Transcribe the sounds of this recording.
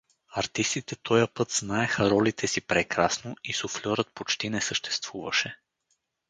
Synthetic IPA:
ɐɾt̪ist̪it̪ɛt̪ʰɔjəpɤt̪z̥naɛxɐɾɔlit̪ʰɛsipɾɛkɾasnoisoflʲɔɾət̪̚pot͡ʃt̪inɛsəʃt̪ɛ̥st̪v̥uvɐʃɛ

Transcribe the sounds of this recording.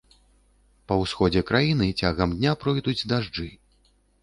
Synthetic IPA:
pɐwsxɔd͡zʲɛkɾajinɨt͡sʲaɣɐmd̪ʲnʲapɾɔjd̪ud͡zʲd̪aʐd͡ʐɨ

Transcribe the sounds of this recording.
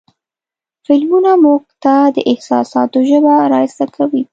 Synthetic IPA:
fɪlmunamuɡ̚t̪ad̪əʔɪhsɑ̰sɑt̪oʒəbaɾɑsakʰawi

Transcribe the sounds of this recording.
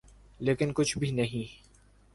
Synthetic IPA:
leːkɪnkʊt͡ʃʰbʱinɐɦĩ

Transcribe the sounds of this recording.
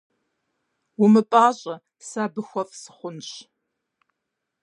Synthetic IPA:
ʊmɨpʼaːɕʼɐ | saːbɨxʷɔfʼsɨ̥χʷʊnɕ

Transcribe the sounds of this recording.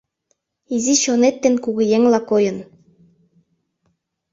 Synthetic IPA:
iziɕonet̪ːĕnkuɣɤ̆jeŋlɑkojɤ̆n

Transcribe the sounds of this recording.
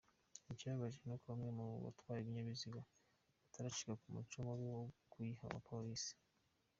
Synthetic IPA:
icaβaʒenokuβamŋemuuβa̰twaːjeβiɲaβiziɡa | ataɾaʃiɡakumṵt͡ʃomoɾiokuiha̰ma̰pʰoɾisi̥

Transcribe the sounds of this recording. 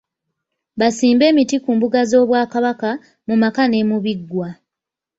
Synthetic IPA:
βasiːmbe̞ːmitikuːmbuɡazo̞ːβwaːkaβaka | mumakane̞ːmuβiɡwa

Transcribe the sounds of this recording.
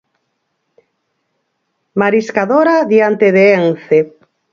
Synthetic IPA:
maɾiskaðoɾaðiant̪eðeenθe

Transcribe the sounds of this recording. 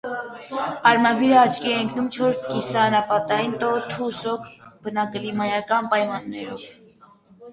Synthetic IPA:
ɑɾmɑbiɾəɑt͡ʃʰkiɛəŋkʰnumt͡ʃʰɔɾskisɑnɑpɑt̪ɑjint̪ɔt̪ʰusɔkʰbənɑkəlimɑjɑkɑnpɑjmɑnːɛɾɔv

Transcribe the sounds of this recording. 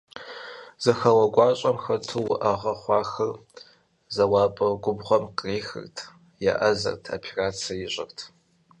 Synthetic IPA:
z̥ɐxɐwɐɡʷɑːɕʼɐmxɐtʰuwʊʔɐʁɐχʷɑːxɐr | zɐwɑːpʼɐɡʷʊbʁʷɔmqriːxɨ̰rtʰ | ja̰ʔɐzɐ̰rtʰa̰pʰiraːt͡sʰiɐjɪɕʼɪ̰rtʰ

